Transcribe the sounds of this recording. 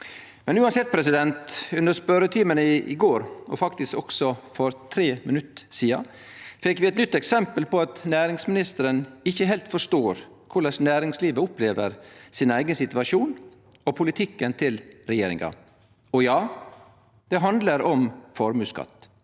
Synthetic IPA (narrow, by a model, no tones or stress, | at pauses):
mɛnʉːɑnsɛt̪̚pʰɾɛsɪd̪ɛnt̪ʉnəspœɾət̪ʰiːmənəɪ̰ɡoːɾɔ̰fɑkt̪ɪskɔksɔfɔɾt̪ʰɾeːmɪnʉt̪ːsiːɑ̰ | fɛkːʋɪːɛt̪nʏt̪ːɛksɛmpəlpɔɑt̪næːɾɪŋsmɪnɪst̪əɾənɪçːəɦɛːlt̪fɔʂt̪oːɾ | kʰʊɭɑsnæːɾɪŋsliːʋəʊpleːʋəɾsiːnæɪɡənsɪt̪ʉɑʂuːn | ɔpʰʊlɪt̪ʰɪkːənt̪ʰɪlɾɛjeːɾɪ̰ŋɑ̰ | ɔjɑː | d̪̥ɛɦɑnd̪ləɾɔmfɔɾmʉːskɑ̰t̪ː